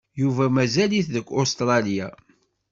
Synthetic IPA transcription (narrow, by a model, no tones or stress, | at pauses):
juvæmæzæliθðəkʷːost̪ɾˤɑlija